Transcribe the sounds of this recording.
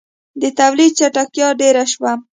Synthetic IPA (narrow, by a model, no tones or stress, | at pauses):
d̪ət̪awlid̪̚t͡ʃaʈakjɑɖeɾaʃwa